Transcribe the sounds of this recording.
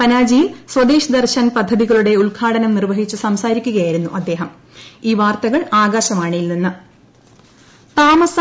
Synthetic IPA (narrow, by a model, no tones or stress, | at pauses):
pɐnaːd͡ʑiswɐd̪eːɕɐd̪ɐrɕɐnpɐd̪ʱːɐðiɣɐɭuɽe̞uɭɡʰʱaːɽɐnɐmnirʋɐɦit͡ɕːɨsɐmsaːɾikʲːuɣɐjaːjiɾunːuʔɐd̪ːe̞ːɦɐm | iːʋaːrt̪ɐɣɐɭaːɡaːɕɐmaːɳɨilninːɨ | t̪aːmɐs